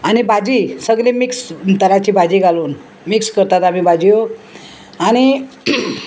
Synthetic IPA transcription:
aɽ̃ibʱad͡ʑiːsəɡlemikst̪əɾat͡ɕiːbʱad͡ʑiːɡaluːn | mikskəɾt̪at̪am̤ibʱad͡ʑijo | aɽ̃i

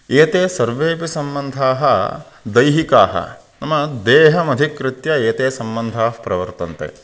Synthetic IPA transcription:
eːt̪eːsɐɾʋeːpisɐmbɐnd̪ʱaːɦɐ | d̪ɐjɦikaːɦɐ̰ | nɐmɐd̪eːɦɐmɐd̪ʱikɾɪt̪jɐeːt̪eːsɐmbɐnd̪ʱaːɦɐpɾɐʋɐɾt̪ɐnt̪ḛː

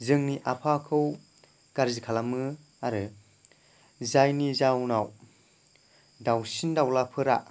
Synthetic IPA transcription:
zɯŋniʔapʰakʰɯw | ɡ̥aɾzikʰalamɯ | aɾɯ | zajnizawnaw | dawsindawlapʰɯɾa̰

